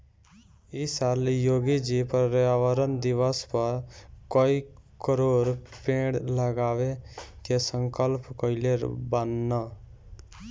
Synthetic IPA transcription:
isaːljoːɡid͡ʒipɾɾaʋəɾənd̪iʋəspəɾkɔikəɾoɾpẽɽləɡaːʋek̪esəŋkəlpkɔileɾbanːa

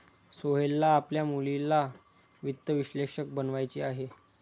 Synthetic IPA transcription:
soɦelːaːpljamulilːa | ʋit̪ːəʋiɕleʂək̚bənʋajt͡ɕiːaɦe

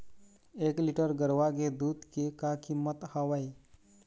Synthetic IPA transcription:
eːkliʈəɾɡəɾʋaɡed̪uːd̪kekakimːət̪haʋaj

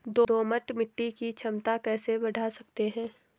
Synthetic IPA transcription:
d̪od̪oːməʈmɪʈːikit͡ʃʰɐmt̪akɛːsebɐɽʱasɐk̚t̪eɦɛ̃ː

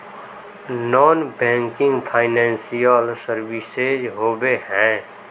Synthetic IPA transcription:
nɔːnbɛ̃ːŋkɪ̃ŋɡpʰaːɪnɛ̃ːnsijəlsəɾʋised͡ʒɦoːbeɦɛ̃ː

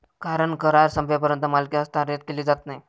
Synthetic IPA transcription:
kaɾəɳkəɾaɾsəmpjap̬əɾjənt̪əmalkiəst̪aɾet̪̚keliːd͡zat̪naj

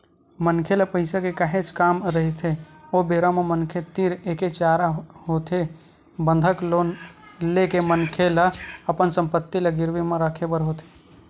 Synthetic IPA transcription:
mənkʰeləpəɦɪsakekaɦet͡ʃʰkaːmɾəɦit̪ʰeobeɾamemənkʰet̪iɾeket͡ʃaːɾaɦot̪ʰe | bənd̪ʱəklonlekemənkʰeləəpənsəmpət̪ːiləɡɪɾʋimeɾəkʰebəɾɦot̪e̥

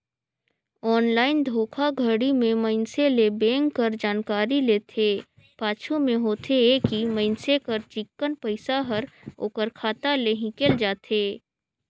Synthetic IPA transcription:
ɔːnlaːɪnd̪ʱoːkʰaɡʱəɽimẽməɪnselebẽːŋɡkəɾd͡ʒaːnkaːɾileːt̪ʰeː | paːt͡ʃʰomẽɦoːt̪ʰeekiməɪnsekəɾt͡ʃɪkːənpəɪsaɦəɾ | o̰ːkəɾkʰaːt̪aleɦɪ̃keld͡ʒaːt̪ʰeː

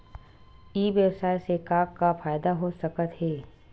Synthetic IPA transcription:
iːʋjəbsaːjsekaːkkːafaːjd̪aɦosɐkət̪ɦɛː

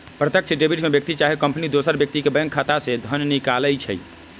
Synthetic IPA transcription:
pɾət̪jək̚t͡ʃʰɖebiʈmebjək̚t̪it͡ʃaɦekəmpnid̪osəɾbjək̚t̪ikebəjəŋkʰat̪ased̪ʱənnikaləjt͡ʃʰə̰j

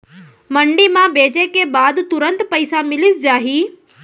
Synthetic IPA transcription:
məɳɖimãbeːd͡ʒekebaːd̪t̪ʊɾə̃nt̪pəɪsamɪlisd͡ʒaːɦiː

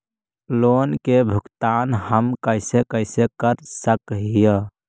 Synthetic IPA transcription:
loːnkebʱʊkt̪aːnhəmkəɪsekəɪsekəɾsəkɦijə

